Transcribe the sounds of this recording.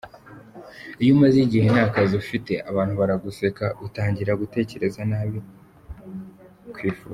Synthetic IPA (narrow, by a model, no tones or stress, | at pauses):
ijumaziɟihenaːkaziufite̞ʔaβaːn̥huβaɾaɡuse̞kautaːɲɟiɾaɡute̞ːce̞ɾe̞zanaːβi | kwiːfṵːz